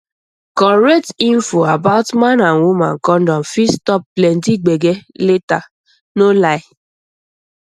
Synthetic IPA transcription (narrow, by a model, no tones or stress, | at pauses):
kɔɾek̚tiɱ̩foabaʊtmanaŋwʷuma̰ŋ̩kɔn̩dɔn̩fistɔpːlɛntiɡ͡beɡeleta | nolaɪ